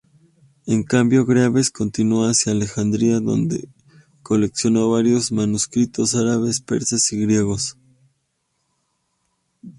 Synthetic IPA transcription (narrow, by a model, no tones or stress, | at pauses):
eŋkambjo̞ɣɾjaβe̞sko̞nt̪inuoaasjaːle̞xand̪ɾiaðo̞̰nd̪e̞̰ | ko̞le̞ksjo̞no̞βaɾjo̞zmanuskɾit̪o̞saɾaβe̞spe̞̰ɾsesiɣɾje̞ɣ̞o̞s